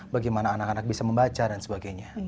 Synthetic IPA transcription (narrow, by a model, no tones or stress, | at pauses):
baɡajmanaːnakanak̚bisaməmbat͡ʃadansəbaɡajɲa